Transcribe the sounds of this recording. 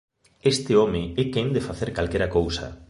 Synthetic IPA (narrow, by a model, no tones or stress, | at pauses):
est̪ɪomɪɛkeŋd̪efaθeɾkalkɛɾɐkowsɐ̰